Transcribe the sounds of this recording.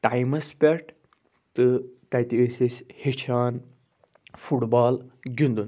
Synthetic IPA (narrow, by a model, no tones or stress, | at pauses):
ʈajmɐspʲeɾʈ | t̪ɨt̪ɐjt̪iəsishit͡ʃʰaːn | fuʈbaːlɡʲind̪un